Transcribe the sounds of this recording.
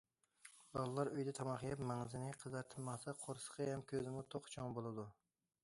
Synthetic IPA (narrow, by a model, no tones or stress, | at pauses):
bɒlˠlˠaɾʊjd̪ɛt̪ʰɑmɑχjapmaŋzɪnɪqʰɨzɑɾt̪ʰɨmɑsaqʰoɾsqʰɨjamkʲʰøzɪmʊt̪ʰoqt͡ʃʰɒŋbolˠad̪ʊ